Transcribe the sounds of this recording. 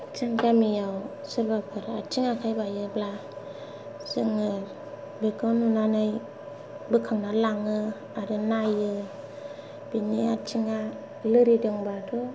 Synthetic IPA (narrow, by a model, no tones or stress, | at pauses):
t͡ʃɯŋkamijawsɯɾbapʰɯɾa̰t͡ʃiŋakʰajbajɯbla | sɯŋɯ | bekawnunanɯj | bɯkʰaŋnalaŋɯ | aɾɯnajɯ | biniat͡ʃʰiŋa | lɯɾidɯŋbadu